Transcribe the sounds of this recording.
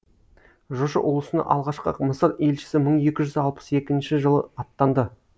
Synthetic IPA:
ʒoʃɑwolˠəsənɑ̰ʔɑlˠʁɑʃqə̰məsəɾe̞lʃɪ̥sɪməɴe̞kʲɪʒʏzɑlˠpə̥se̞kʲɪnʃɪʒəlˠə̰ɑt̪ːɑnd̪ə

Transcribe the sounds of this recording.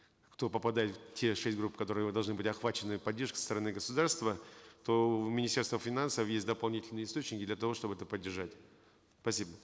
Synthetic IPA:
kt̪o̞pəpɐd̪ajɪt̪ftʲʰeʂɛsʲt̚ʲɡɾupːkɐt̪o̞ɾɨjəd̪ɐlˠʐnɨbɨtʲɐxvat͡ɕɪnːɨpɐdʲːeʂkʲsə̥t̪əɾɐnɨɡəsʊd̪arst̪vət̪o̞mʲɪnʲɪsʲtʲerst̪vəfʲɪnansəfjesʲtʲd̪əpɐlˠnʲitʲɪlʲnɨjəɪst̪o̞t͡ɕnʲɪkʲɪd̪lʲɐt̪ɐvo̞ʂt̪o̞bɨɛt̪əpədʲːɪrʐatʲ | spɐsʲibə

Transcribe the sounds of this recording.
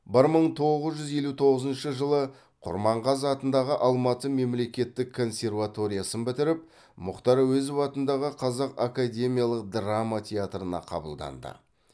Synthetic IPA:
bɪɾməɴt̪ʰo̞ʁəzʒʏzje̞lut̪ʰo̞ʁəzənʃəʒəlˠə | qʰʊ̰ɾmɑɴʁɑzɑt̪ənd̪ɑʁəʔɑlˠmɑt̪əme̞mle̞kʲe̞t̪ːɪkʰːo̞nsʲe̞rvat̪o̞ɾijasənbɪt̪ɪɾɪp̚ | mʊqt̪ɑɾɑwɵzwɑt̪ənd̪ɑʁəqʰɑzɑqakad̪ʲe̞mijalˠəq̚d̪ramat̪ʰʲeat̪ɾənɑ̰qʰɑ̰bə̰lˠd̪ɑ̰nd̪ə̰

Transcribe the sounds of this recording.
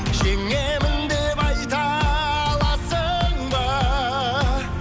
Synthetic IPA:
ʒeŋemɪnd̪epɑjt̪ɑ | lˠɑsəɴbɑ

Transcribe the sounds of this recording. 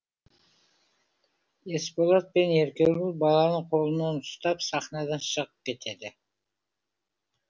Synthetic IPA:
e̞spolˠat̪̚pe̞ne̞ɾkʲeɡulbɑlˠɑnəɴqʰo̞lˠənɑnʊst̪ɑpsɑχnɑd̪ɑnʃəʁəp̚kʲe̞t̪ʰe̞d̪ɪ

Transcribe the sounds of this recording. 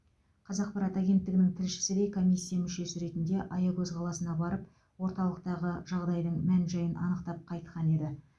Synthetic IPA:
qʰɑzɑq̚pɑɾɑt̪æɡʲe̞nt̪ːɪɡɪnɪŋt̪ʰɪɾʃɪ̥sɪd̪e̞jkʰo̞mʲijsʲːijamʏʃe̞sɪɾe̞t̪ɪnd̪e̞ʔɑjɑkʲɵzqʰɑlˠɑsənɑbɑɾəp̚ | wo̞ɾt̪ɑlˠəqt̪ɑʁəʒ̥ɑʁd̪ɑjd̪əɴmænʒɑjənʔɑ̰nəqt̪ɑp̚qʰɑjt̪qʰɑne̞d̪ɪ

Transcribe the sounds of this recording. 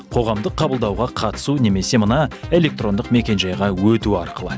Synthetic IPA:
qʰo̞ʁɑmd̪əqʰːɑbəlˠd̪ɑwʁɑqʰɑt̪ə̥sune̞me̞se̞mənɑe̞lʲe̞k̚t̪ro̞nd̪əqme̞kʲe̞nʒɑjʁɑwɵt̪uɑɾqəlˠə

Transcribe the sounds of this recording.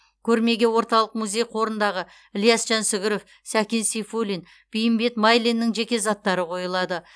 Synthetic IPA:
kʲʰɵɾme̞ɡʲe̞wo̞ɾt̪ɑlˠəq̚muzʲe̞jqʰo̞ɾənd̪ɑʁə | ɪlˠjɑsʒ̥ɑnsɪɡʲɪɾo̞f | sækʲensijfolʲin | b̥ijɪmbe̞t̪mɑjlʲinːɪŋʒe̞kʲe̞zɑt̪ːɑɾəqʰo̞jəlˠɑd̪ə

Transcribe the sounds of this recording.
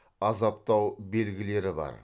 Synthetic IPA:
ɑzɑp̚t̪ɑwbe̞lɡʲɪle̞ɾɪbɑ̰ɾ

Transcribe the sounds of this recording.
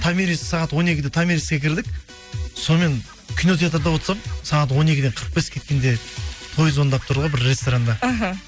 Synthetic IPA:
t̪ʰamʲeɾissɑʁɑt̪wo̞ne̞kʲɪd̪et̪ʰamʲeɾiskʲekʲʰɪɾd̪ɪk | so̞nme̞n | kʲʰino̞t̪̬ʰʲjat̪̬əɾd̪ɑwo̞t̪sɑp̚sɑʁɑt̪wo̞ne̞kʲɪd̪e̞ɴqʰəɾq̚pe̞skʲʰe̞t̪kʲe̞nd̪e̞t̪ʰo̞jəzwo̞nd̪ɑp̚t̪ʰʊɾd̪əʁɑbɪɾːe̞st̪oɾand̪ɑɦ

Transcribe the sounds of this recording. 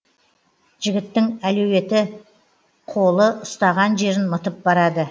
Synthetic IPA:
ʒɪɡʲɪt̪ːɪŋælɵwe̞t̪ɪ | qʰo̞lˠəʔʊst̪ɑʁɑnʒe̞ɾɪnmət̪əp̚bɑɾɑd̪ə

